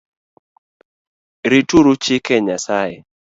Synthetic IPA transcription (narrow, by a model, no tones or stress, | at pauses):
ɾituɾut͡ʃɪkɛɲasajḛ